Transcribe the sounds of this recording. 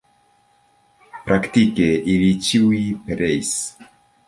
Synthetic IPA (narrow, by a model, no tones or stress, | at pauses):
pɾakt̪ikeʔilit͡ʃiwipeɾejs